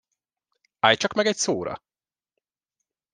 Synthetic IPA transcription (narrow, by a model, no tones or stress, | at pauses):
aːjt͡ʃɒkmɛɡɛcsoːɾɒ̰